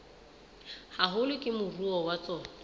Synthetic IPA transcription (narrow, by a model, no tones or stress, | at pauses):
haɦʊlɪkʼɪmʊruɔwat͡sɔːna